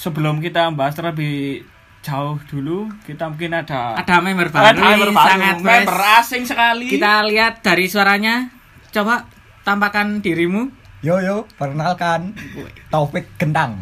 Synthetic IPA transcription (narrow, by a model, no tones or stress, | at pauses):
səbəlʊmkit̪ambast̪əɾəbɪh | d͡ʒ̥aʊhd̪̥ulukit̪amuŋkɪnad̥aad̥amɛmərbadaəbaaŋat̪mɛbəɾasɪŋsəkalikit̪aliat̪̚d̥̪a̤ɾisuaɾaɲa | t͡ʃobaʔ | t̪ampakand̥iɾimujojopərnalkant̪ofɪt̚ɡ̥ənt̪aŋ